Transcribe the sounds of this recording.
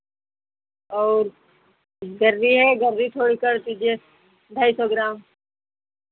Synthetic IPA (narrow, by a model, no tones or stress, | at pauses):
ɔːɾ | ɡəɾːiɦɛɡəɾːit̪ʰoːɽikəɾt̪id͡ʒe | d̪ʱaːisɔːɡɾaːm